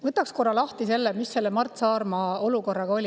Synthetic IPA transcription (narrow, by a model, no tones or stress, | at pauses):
vɤt̪ːˑɑksko̞rɑlɑht̪ise̞lːemisːe̞lːemɑrt̪sɑːrmɑo̞luko̞rːɑɡ̥ɑo̞lʲi